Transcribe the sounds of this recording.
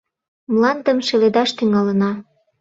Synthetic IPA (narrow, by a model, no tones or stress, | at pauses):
mlɑnd̪ə̆mʃeled̪ɑʃt̪yŋɑlə̆nɑ